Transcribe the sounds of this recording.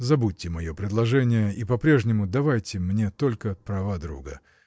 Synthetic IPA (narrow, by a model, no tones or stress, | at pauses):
zɐbutʲːɪmɐjo̞pɾʲɪd̪lˠɐʐɛnʲɪjəʔipɐpɾʲeʐnʲɪmʊd̪ɐvajtʲɪmnʲe̞t̪o̞lʲkəpɾɐvad̪ɾṵɡə̰